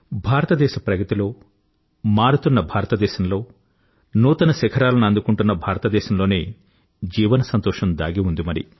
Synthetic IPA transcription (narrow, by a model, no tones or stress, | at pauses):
bʱaːɾɐt̪ɐd̪ɛːʃɐpɾɐɡɐt̪ilo̞ː | maːɾut̪unːɐbʱaːɾɐt̪ɐd̪ɛːʃɐmlo̞ː | nuːt̪ɐnɐsɛkʰɐɾaːlɐnɐnd̪ukuɳʈunːɐbʱaːɾɐt̪ɐd̪ɛːʃɐmloːneː | d͡ʒiːʋɐnɐsɐnt̪ɔːʂɐmd̪aːɡiund̪imɐɾḭ